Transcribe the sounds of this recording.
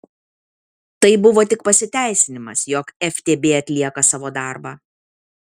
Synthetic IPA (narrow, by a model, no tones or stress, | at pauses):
t̪ɐɪbʊʋoːt̪ʲɪk̚pɐsʲɪt̪ʲæˑɪsʲɪnʲɪmɐsjɔkɛfʲt̪ʲeːbʲeːɐt̪ʲlʲiɛkɐsɑːʋoːd̪ɑˑɾbɑː